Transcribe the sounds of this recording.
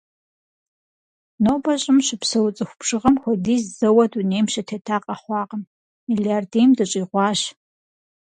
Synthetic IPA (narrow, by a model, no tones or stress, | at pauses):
noːbɐɕʼɪmɕɪpsɐwʊt͡sʼɨxʷʊpʂɨʁɐmxʷɔdiːzzɐwɐdunejmʃɐtʰetʰaːqʼɐχʷɑːqʼəm | miljardeːjmdɨɕʼiːʁʷɑːɕ